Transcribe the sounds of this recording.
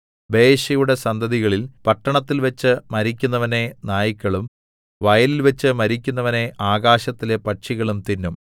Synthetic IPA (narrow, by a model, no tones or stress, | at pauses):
be̞ːɕɐjuɽe̞sɐnd̪ɐðiɣɐɭilpɐʈːɐɳɐt̪ːilʋɐt͡ɕːɨmɐɾikʲːunːɐʋɐnenaːjikʲːɐɭum | ʋɐjɐlilʋet͡ɕːɨmɐɾikʲːun̪ːɐʋɐne̞ʔaːɣaːɕɐt̪ːile̞pɐʈʂiɣɐɭumt̪inːum